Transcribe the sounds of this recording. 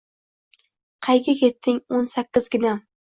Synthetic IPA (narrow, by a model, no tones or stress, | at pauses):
qʰɑjɡʲakʲʰe̞t̪ʰːɪŋonsakʲːɪzɡʲɪna